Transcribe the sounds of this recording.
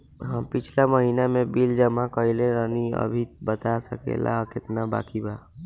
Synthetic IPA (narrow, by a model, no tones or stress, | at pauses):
ɦəpɪt͡ʃʰlaməɦiːnamẽbild͡ʒəmakəileɾəniə̰bʱibət̪asəkḛlʔa̰kɪt̪naba̰ːkiba